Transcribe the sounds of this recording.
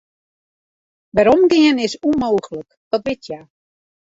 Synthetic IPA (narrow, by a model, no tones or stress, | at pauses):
ʋɛɾomɡɪənɪsumoːɣələk | d̥ɔt̚ʋɪtʰja